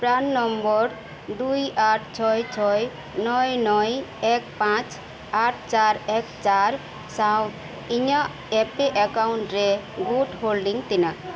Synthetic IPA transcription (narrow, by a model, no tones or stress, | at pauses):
pɾanːɔmbɔɾ | d̪ujaʈ̚ʰt͡ʃʰɔjt͡ʃʰɔj | nɔjnɔjɛk̚pãt͡ʃ | aʈʰt͡ʃaɾɛkt͡ʃaɾ | saw | iɲa | ɛpeʔakawɳʈɾɛ | ɡuʈholɖiŋt̪ina